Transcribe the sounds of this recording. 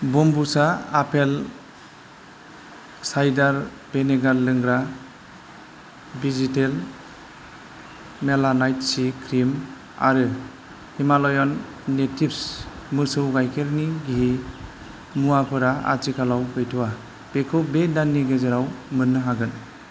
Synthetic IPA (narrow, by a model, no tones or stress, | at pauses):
bɔmbusaapʰel | sajdaɾ | b̥eneɡaɾlɯŋɡɾa | bizitel | melanajtsikʰɾim | a̰ɾɯ | himalɔjɔnː | etʰipsmɯsɯwɡajkʰeɾniɡiɦi | muapʰɯɾaa̰t͡ʃikʰalawpʰɯjtʰuwa | b̥ekʰɯwbedanːiɡezaɾawmɯnːɯɦaɡɯn